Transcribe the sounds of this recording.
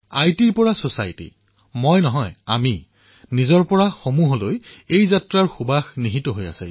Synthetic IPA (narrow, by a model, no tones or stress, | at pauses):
ajtiɹpɔɹasosajtḭ | mojnɔɦɔja̰mi | nizɔɹpɔɹaxomuɦɔlojejzatɹaɹxubaxniɦitɔɦoja̰sa